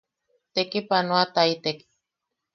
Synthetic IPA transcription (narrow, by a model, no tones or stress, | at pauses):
t̪ekipanoat̪ait̪ek